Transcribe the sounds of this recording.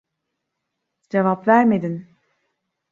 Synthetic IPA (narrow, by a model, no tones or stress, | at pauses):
d͡ʒevapvæɾmed̪in